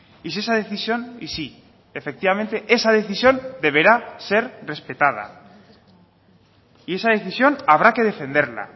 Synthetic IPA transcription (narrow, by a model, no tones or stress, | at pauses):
isesað̞e̞θisjo̞nisi | efe̞k̚t̪iβamẽ̞nt̪e̞ʔe̞sað̞e̞θisjo̞nd̪e̞β̞e̞ɾase̞ɾre̞spe̞t̪að̞a̰ | ie̞sað̞e̞θisjo̞naβ̞ɾake̞ð̞e̞fe̞nd̪e̞ɾla̰